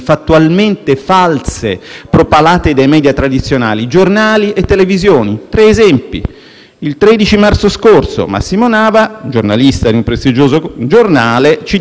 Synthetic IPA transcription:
fat̪ːualment̪efalsepɾopalaːt̪ed̪ajmɛːd̪jat̪ɾad̪it̪sːjona̰ːlid͡ʒornaːliet̪ːelevizjoːnit̪ɾɛːzɛmpḭ | ilt̪ɾɛːd̪it͡ʃimart̪soskorso̰ma̰sːimonaːvad͡ʒorna̰list̪ad̪iumpɾest̪id͡ʒoːzod͡ʒornaːlet͡ʃi

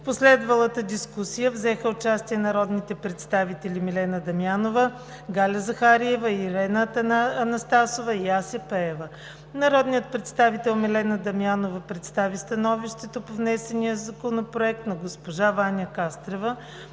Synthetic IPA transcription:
fposlɛd̪vəlˠət̪əd̪iskusijəvzɛxəʊt͡ʃast̪iɛnɐɾɔd̪nit̪ɛpɾɛt̪st̪avit̪ɛlʲimilɛnəd̪ɐmjanovə | ɡalʲɐzɐxaɾiɛvəiɾɛnəɐnɐst̪asovəiasɛpɛɛvə | nɐɾɔd̪nijət̪̚pɾɛt̪st̪avit̪ɛlˠmɛlɛnəd̪ɐmjanovəpɾɛt̪st̪avist̪ɐnɔviʃt̪ɛt̪opovnɛsɛnijəzɐkonopɾoɛk̚t̪nɐɡospoʒavanʲəkast̪ɾɛvə

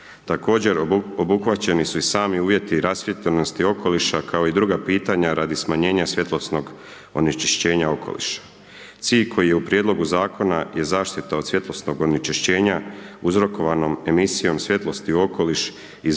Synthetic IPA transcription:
t̪ako̞ːd͡ʑe̞ɾobuxʋat͡ɕe̞nisuisaːmiuːʋje̞t̪iɾasʋjet̪ʎeno̞st̪io̞ko̞liʃakʰao̞id̪ɾuɡapiːt̪aɲaɾad̪ismaɲe̞ːɲasʋje̞t̪lˠosno̞ɡ | o̰nit͡ʃi̥ʃt͡ɕe̞ːɲao̞kʰo̞̰lḭʃḁ | t̪siːʎkʰo̞jijeupɾjed̪lo̞ɡuzaːko̞naje̞zaːʃt̪it̪aod̪sʋje̞t̪lˠo̞sno̞ɡo̞nit͡ʃiʃt͡ɕe̞ːɲauzɾo̞ko̞ʋano̞me̞misijo̞msʋje̞t̪lˠo̞st̪iuo̞ko̞liʃ | i

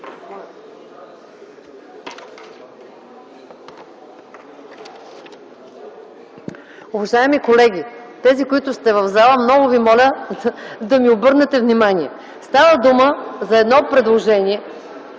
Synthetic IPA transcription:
ʊvɐʒaɛmikolɛɡʲit̪ɛzikoit̪ʊst̪ɛvɐvzalˠəmnɔɡʊvimɔlʲə | d̪ɐmiobɤɾnɛt̪ɛvnimaniɛ | st̪avəd̪uməzɐɛd̪nɔpɾɛd̪lˠoʒɛnʲiɛ

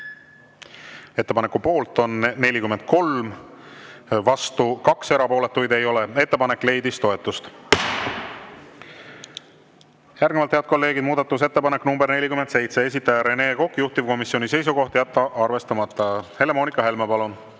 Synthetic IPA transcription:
e̞t̪ːepɑnekːupo̞ːlt̪ˑo̞nːe̞lʲikyme̞nd̪̥̚kʰo̞lm | vɑst̪ukɑkse̞ɾɑpo̞ːle̞t̪ːˑujd̪e̞jo̞lee̞t̪ːe̞pɑne̞kːˑle̞jd̪ist̪o̞e̞t̪ːˑust̪ | jæɾrɡnevɑlt̪heɑd̪̚ko̞lːe̞ːɡid̪muːd̪ɑt̪ːˑus̬e̞t̪ːe̞pɑne̞kːnumbe̞rne̞lʲikymed̪se̞jt̪se̞es̬ʲit̪ːˑɑjɑɾe̞ne̞ːko̞kːˑjuht̪ivko̞misːio̞nise̞jsuɡo̞ht̪jæt̪ːɑʔɑrve̞st̪ɑmɑt̪ːˑɑhe̞le̞mo̞ːnikːˑɑɦe̞lmepɑlun

